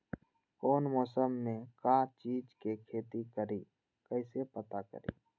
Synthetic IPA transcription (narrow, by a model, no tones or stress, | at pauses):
koːnmɔːsəmːẽkãːt͡ʃiːd͡ʒkekʰeːt̪ikəɾiː | kəɪsepət̪akə̰ɾḭː